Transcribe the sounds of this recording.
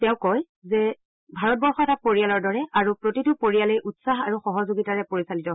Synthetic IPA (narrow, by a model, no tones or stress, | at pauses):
tɛʊ̃kɔj | zɛ | bʱaɹɔt̚bɔɹxɔɛtapoɹijalɔɹdɔɹɛʔaɹupɹotitʊpoɹijalɛjʔutsaɦaɹuxɔɦɔzoɡitaɹɛpoɹisalitɔ